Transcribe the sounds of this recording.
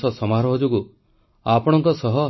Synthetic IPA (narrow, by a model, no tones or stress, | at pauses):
sɔsɔmaɾɔɦɔd͡ʒuɡu | apɔɽ̃ɔŋkɔsɔɦɔ